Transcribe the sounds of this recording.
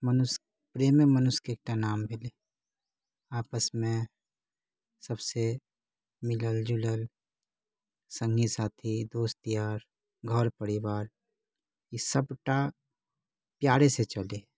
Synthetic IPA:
mənʊs | pɾeːmemənʊskeːk̚ʈanaːmbʱɪleː | aːpəsmẽ | səbse | mɪləld͡ʒʊləl | sə̃ŋɡisaːt̪ʰid̪oːst̪ijaːɾ | ɡʱəɾpəɽɪʋaːɾ | isəbʈa | pjaːɽeset͡ʃəleː

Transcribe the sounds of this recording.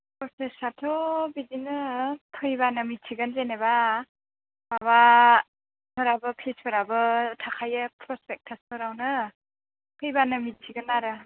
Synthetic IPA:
pɔsesatʰɔbidinɯpʰɯjbanɯmitʰiɡanzeneba | baba | pʰɯɾabɯpʰlispʰɯɾabɯtʰakʰajɯpʰɾɔspʰek̚tʰaspʰɯɾawnɯ | pʰɯjbanɯmitʰiɡɯnːaɾɯ

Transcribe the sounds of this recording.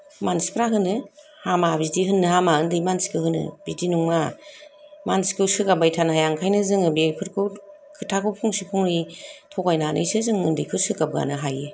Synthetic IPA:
mansi̥pʰɾaɦɯnɯ | hamabizdihɯnːɯhamaɯndɯjmansi̥kʰɯhɯnɯ̰bidinuŋma | mansi̥kʰɯsɯkabajtʰanhajaŋkʰajnɯzɯŋɯbekʰɯɾkʰɯw | kʰɯtʰakʰɯwpʰɔŋsipʰɔŋɾitʰɔɡajnanʔɯ̰jsɯzɯŋɯndɯjkʰɯsɯkab̚ɡa̰nɯɦaje

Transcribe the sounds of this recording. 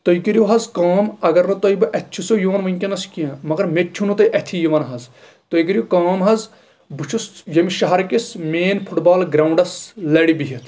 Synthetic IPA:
t̪oikiɾjoɦɐzkaːmɐɡɐɾnɐt̪oibɨʔɐt̪ʰʲt͡ʃʰusojuʋɐnʋɐŋʲkʲɐnɐskiɐ̃mɐɡɐɾmett͡ʃʰunut̪ɐiʔɐt̪ʰijiʋɐnɦɐz | t̪oikiɾjokaːmɦɐz | but͡ʃʰusjɐmiʃɐɦɐɾkismeːnpʰuʈbaːlɡɾaːuɳɖɐslɐɽibiɦit̪ʰ

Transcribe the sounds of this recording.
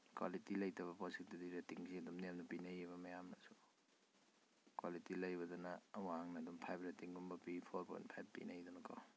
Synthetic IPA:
kwa̰litilɐjtɐbɐpɔsek̚dɐdiɾatiŋsidumnemnupinajeβɐmajamnasu̥ | kwalitilɐjbɐdɔnawaaŋnadumpʰajp̚ʰɾatiŋbumbɐpipʰoɾpʰɔ̰jntpʰajp̚pːḭnajdɔnɐkʰa̰

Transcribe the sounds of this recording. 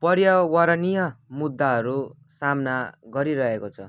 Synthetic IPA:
pʌɾjawaɾanijamud̪ːaɦʌɾu | samnaɡʌɾiɾʌɦekot͡sʰʌ

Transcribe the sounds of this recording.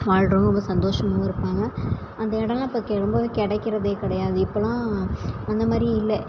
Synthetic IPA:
ʋaːɻʈɾoːŋɡɐɔmbɐsɐnd̪oːʂɐmaːɪɾɯpːaːŋɡɐ | ɐnd̪ɐɪɽɐ̃ŋɡɐpːɐkːeɾɔmbɐʋkɪɽɛkːɪɾɐðeːkɪɽɐjaːðɯɪpːɐlãːɐnd̪ɐmaːd̪ɾij̃ɪlːɛ

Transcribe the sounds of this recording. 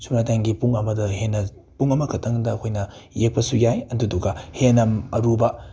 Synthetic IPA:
sumnataŋɡipuŋɐmɐdɐɦenːɐ | puŋɐmɐkʰɐtʰɐŋdɐːkʰojnɐjek̚pɐsujajɐnduduɡɐhenɐmɐɾubɐ

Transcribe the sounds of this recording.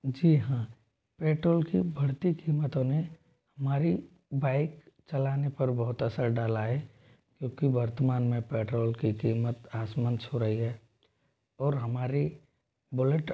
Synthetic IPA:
d͡ʒiːɦãː | peːʈɾoːlkḭbʱɐɽt̪ikiːmət̪õne | hɐmaːɾi | baːɪkt͡ʃɐlaːnepɐɾbɔɦʊt̪əsəɾɖaːlaːɦɛ | kjõːkibɐɾt̪əmaːnmẽpeːʈɾoːlkikiːmət̪aːsmənt͡ʃʰoɾəɦiɦɛː | ɔːɾɦɐmaːɾi | bʊləʈ

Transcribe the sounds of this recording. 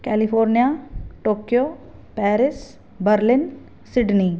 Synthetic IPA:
kɛːlɪfʰoːɾnijaːʈoːkjoːpɛːɾɪs | bəɾlɪn | sɪɖniː

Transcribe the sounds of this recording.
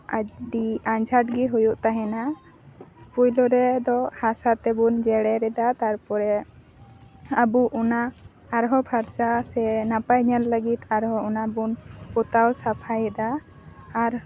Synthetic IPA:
aɖiãɲd͡ʒʱaʈ̚ɡɛɦujuʔt̪aɦɛna | pujlɔɾɛd̪ɔhasat̪ɛbund͡ʒɛɽɛɾɛd̪at̪aɾpɔɾɛ | abuʔɔnaː | ɾɦɔbʰʱaɾsasɛnapajɲalləɡit̪aɾɦɔɔnabunpɔt̪awsapʰajɛd̪aː | ɾ

